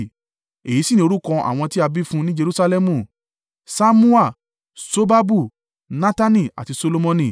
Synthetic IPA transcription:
e˨ji˨˦si˦˨ĩ˧o˧ɾu˦kɔ̃˧ʔa̰˨w̃ɔ̃˧ti˦a˧bi˦fũ˦nĩ˦d͡ʒe˧ɾu˦sa˧lɛ˦mũ˦˨ | sa˦mũ˦a˦˨ | so˦ba˦bu˦˨ | nã˦ta˦nĩ˦˨a̰˨ti˧so˧lo˧mɔ̃˧nĩ˦˨

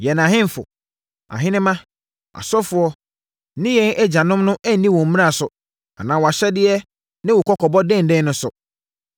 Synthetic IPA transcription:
jɛ˨nã˨ɦɪ̃˦m˦fʊ̰˨ | ã̰˨ɦɪ̃˦nɪ̃˦mã˦ | ʔa̰˨sɔ˦fʊ˦ɔ˦ | nɪ̃˦jɛ˦nɛ˦d͡ʑa˨nʊ̃˦mnʊ̃˦ʔɛ˦n̩˦nĩ˦wɔ̃˨m̩˦mĩ˦ɾa˦˨sʊ˨ | a̰˨nãː˨wɔ˨a˨ɕɛ˦dɪ˦ɛ˦ | nɪ̃˦wʊ˨kʰɔ˦kʰɔ˨bɔ˦dɛ̃˦n̩˨dɛ̃˦nʊ̃˦sʊ˨

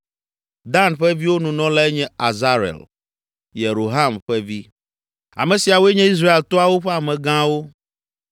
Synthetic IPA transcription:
d̪a˦nɸɛ˦vi˦wo˦nũ˨nɔ̃˦la˦ɛ˦ɲɛ̃˦a˨za˦ɾɛ̰˨l | je˨ɾo˨ɦa˦mɸɛ˦vi˦ | a̰˨mɛ̃˨si˨a˨wo˦e˦ɲɛ̃˦i˦s̬ɾa˦e˨lt̪ɔ˦a˨wo˦ɸɛ˦a˨mɛ̃˨ɡã˦wo˦

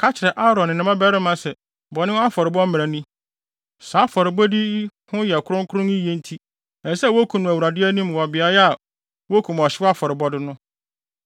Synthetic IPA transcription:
kʰa˦t͡ɕʰɪ˨ɾɛ˨ʔa˦ɾɔ̃˨nɪ̃˨nɪ̃˨˦mã˦bɛ˦ɾɪ˦mã˨sɛ˨ | bɔ˨nɪ̃˦wa˦fɔ˨ɾɪ˨bɔ˦m̩˦m̃˨ɾã˨nĩ˦ | saː˨˦fɔ˨ɾɪ˨bɔ˦di˦hʊ̃˦jɛ˨kʰʊ˦ɾʊ̃˦ŋ˦kʰʊ˦ɾʊ̃˦nĩ˦jẽ˦n˦tʰi˦ | ɛ˨˦sɛ˦wo˦kʰu˨nʊ̃˨æ˨wu˨ɾa˨dɪ˦æ˦nĩ˦m˨wɔ˨bɪ˨a˨jɛ˦a˨ | wo˦kʰu˨m˨ɔ˨ɕɪ˦a˦fɔ˨ɾɪ˨bɔ˦dɪ˦nʊ̃˦

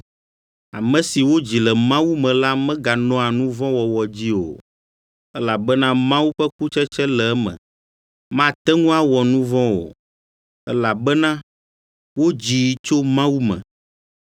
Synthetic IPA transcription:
a˨mɛ̃˨si˨wo˦d͡ʑi˨lɛ˨mã˦wu˦mɛ̃˨la˦mɛ̃˦ɡa˨nɔ̃˦a˨nũ˦vɔ̃˦wɔ˨wɔ˨d͡ʑi˦o̰˨ | ɛ˦la˨bɛ˦nã˦mã˦wu˦ɸɛ˦ku˦t͡ʃɛ˦t͡ʃɛ˦lɛ˨ɛ˦mɛ̰̃˨ | mã˦˨t̪ɛ˦ŋũ˦a˦wɔ˨nũ˦vɔ̃˦wo̰˨ | ɛ˦la˨bɛ˦nã˦ | wo˦d͡ʑi˨˦t͡ʃo˦mã˦wu˦mɛ̰̃˨

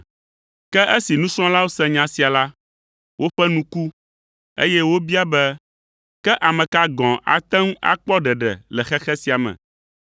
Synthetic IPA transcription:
kɛ˦ʔe˦si˨nũ˦sɔ̃˦la˦wo˦sɛ̃˦ɲã˨si˨a˨la˦ | wʔo˦ɸɛ˦nũ˦ku˦ | ḛ˦jɛ˦wo˦bi˦a˦bɛ˦ | kɛ˦ʔa˨mɛ̃˨ka˦ɡɔ̃˨ʔa̰˨t̪ɛ̃˦ŋ˦a̰˦k͡pɔ˦ɖɛ˨ɖɛ̰˨lɛ˨xɛ˦xɛ˦si˨a˨mɛ̰̃˨

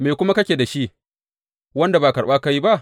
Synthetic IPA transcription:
meː˨kʷʊ˦ma˦kɐ˦kʲeː˨da˨ʃi˦ʔ | wɐ˦nda˨baː˨kɐ˨ɽɓaː˦ka˦ji˦ba˦ʔ

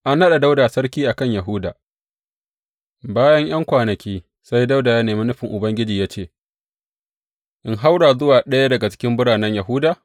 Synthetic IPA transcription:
ʔa˦nːɐ˦ɗa˨da˦wdaː˨sɐ˦ɾkʲiː˦ʔa˨kɐ˦˨ɲjɐ˨ɦʊ˦da̰ː˨ | baː˦jɐ˦ŋj̰ɐ˦ŋkʷaː˨nɐ˨kʲiː˦ | sa˦jda˦wdaː˨jaː˦neː˨mi˦nʊ˦ɸɪ˨ŋʔʊ˨bɐ˦ŋɡʲɪ˦d͡ʒiː˨jaː˦t͡ʃeː˦˨ | ʔɪ˦ŋɦa˦wɽaː˨zʊ˦waː˨ɗɐ˦ja˦dɐ˨ɡa˨t͡ʃɪ̥˦kʲɪ˦mbʊ˦ɽaː˨nɐ˦ɲjɐ˨ɦʊ˦daː˨

